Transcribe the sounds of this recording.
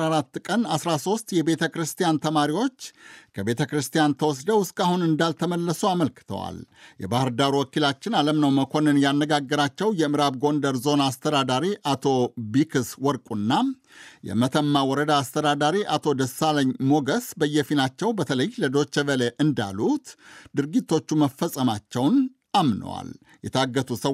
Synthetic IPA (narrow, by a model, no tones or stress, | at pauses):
aɾat̪ːkʼənasɾaso̞st̪jɛbe̞t̪ʰəkɾɨst̪ijant̪ʰəmaɾiwo̞t͡ʃːkʰəbe̞t̪ʰəkɨɾɨst̪ʰijant̪ʰəwɔs̬d̪əwɨskʼahunɨnd̪alt̪ʰəməlːəsuaməlkɨ̥t̪ʰə̰wa̰ljɛ̰bahɨɾd̪aɾuwɔkilat͡ʃːɪnaləmnəwməkʰo̞nɨnjanːəɡaɡːəɾat͡ʃːɛwjɛmɨɾabɡo̞nd̪əɾzo̞nast̪ʰəd̪ad̪aɾiʔat̪ʰo̞bikʰɨswɔɾkʼunːa | jɛ̰mət̪ʰəmːawɔɾəd̪aːst̪ʰəd̪ad̪aɾiʔat̪ʰo̞d̪əsaləɲmo̞ɡəsbəjːɛfinat͡ʃːɛwbət̪ʰələjləd̪o̞t͡ʃːəvəleʔɨnd̪a̰lut̪d̪ɨɾɡit̪ːo̞t͡ʃːuməfːəsʼəmat͡ʃːɛwn | amnə̰wa̰l | jɛt̪ʰaɡːət̪ʰusə